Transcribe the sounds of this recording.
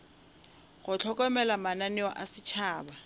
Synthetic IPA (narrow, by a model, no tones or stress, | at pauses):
ɣʊt͡ɬʰɔkʼɔmɛlamananɪwa̰ʔasɪt͡ʃʰaːba